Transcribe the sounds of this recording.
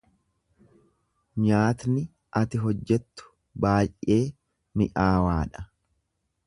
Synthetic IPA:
ɲaːt̪nɪ | ʔɐt̪ɪɦɔd͡ʒːɛt̪ːʊ̥ | baːjʔe̞ː | mɪ̰ʔaːwaːᶑɐ

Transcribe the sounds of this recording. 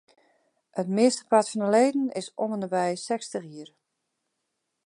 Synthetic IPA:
ətmɪəstəplatfɔndəleːdən̩ɪsʔoməndəbɛjsɛkstəxiər

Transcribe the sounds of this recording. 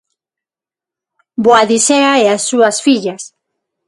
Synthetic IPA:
boaðisɛaɛasːuɐsfiʎas

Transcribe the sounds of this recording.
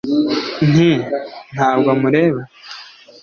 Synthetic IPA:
nin̥aːbɡamuɾeːβa

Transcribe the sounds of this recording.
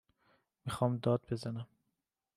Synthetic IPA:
mixɒːmd̪ɒːd̪̚be̞zænæm

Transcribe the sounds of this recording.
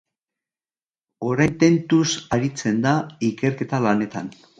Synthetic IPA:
o̞ɾajnt̪e̞nt̪usaɾit͡se̞nd̪aike̞ɾke̞t̪alane̞t̪a̰n

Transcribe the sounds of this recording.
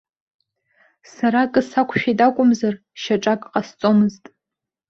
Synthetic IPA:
saɾakʼɨsakʷʰʃᶣidʼakʷʼʊmzar | ʃaʈ͡ʂʼakʼqʼast͡sʼomɨztʼ

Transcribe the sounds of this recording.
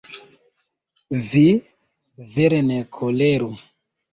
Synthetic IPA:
vi | veɾenekʰoleɾu

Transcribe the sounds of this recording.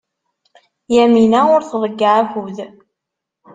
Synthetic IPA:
jæminæʊɾθðˤəɡːaʕævuð

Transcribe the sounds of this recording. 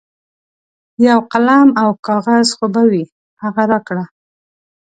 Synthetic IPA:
jawqalamawkɑɣazxobawi | haɣaɾɑkɽa

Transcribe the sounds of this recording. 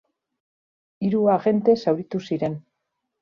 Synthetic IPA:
iɾuaɣe̞nt̪e̞sawɾit̪usiɾe̞n

